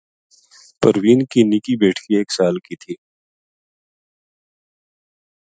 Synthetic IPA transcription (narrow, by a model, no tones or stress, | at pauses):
pɐɾwiːnkinɪkibeːʈʰkieːksaːlkit̪ʰiː